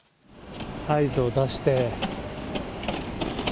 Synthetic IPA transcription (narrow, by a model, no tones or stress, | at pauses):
haizɨod̪aɕi̥t̪e̞